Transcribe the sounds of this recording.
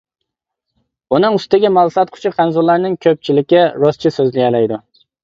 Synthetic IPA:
unɨŋʊst̪ɪɡʲimɑlˠsɑt̪̚qʰʊ̥t͡ʃʰɪqʰænzulːˠaɾnɪŋkʲʰøp̚t͡ʃʰilɪkʲːɪɾɔst͡ʃʰɪsøzlɪjʲɛlæjd̪ʊ

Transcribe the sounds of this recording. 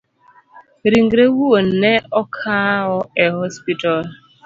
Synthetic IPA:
ɾiŋ̩ɡɾewuwon̩neɔkʰaɦʊeɦɔspitɔl

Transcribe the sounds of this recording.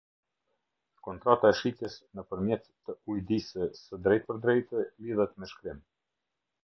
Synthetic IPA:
kɔnt̪ɾat̪aɛʃit̪jɛsnəpəɾmjɛt̪ːəujd̪isɛsəd̪ɾɛjt̪̚pəɾd̪ɾɛjt̪əliðɛt̪mɛʃkɾim

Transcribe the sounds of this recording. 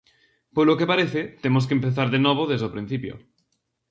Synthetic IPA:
polokepaɾeθet̪emos̬kempeθaɾðenɔβ̞oðezðopɾin̟θipjo̰

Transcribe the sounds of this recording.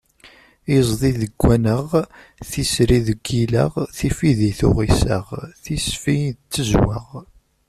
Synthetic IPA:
izˤðˤiðəɡʷːænəʁ | θisɾiðəɡːiləʁθifiðiθʊ̰ʁisə̰ʁθisfit͡sːəzwə̰ʁ

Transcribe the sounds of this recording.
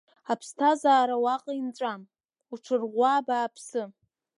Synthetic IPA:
apʰstʰazaːɾawaqʼaint͡sʷʼam | uʈ͡ʂʰɨrʁʷaːbaːpʰsɨ

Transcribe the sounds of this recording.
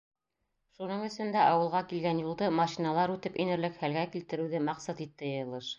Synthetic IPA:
ʃunɤɴɵ̆sɵ̆nd̪æʔɑwɤ̆lˠʁɑkilɡænjulˠd̪ɤmɑʃinɑlˠɑɾʉt̪ɘpinɘ̆ɾlɘkhælɡækilt̪ɘ̆ɾɘ̆wðɘmɑqsɑt̪it̪ːɘ̆jɤjɤ̆lˠɤʃ

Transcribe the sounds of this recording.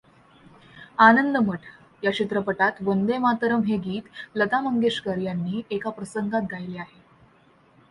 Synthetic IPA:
anənd̪əməʈʰ | jat͡ɕit̪ɾəpəʈat̪ʋənd̪emat̪əɾəmɦeɡiːt̪lət̪aməŋɡeʂkəɾjanːiːekapɾəsəŋɡat̪̚ɡʱajleaɦe

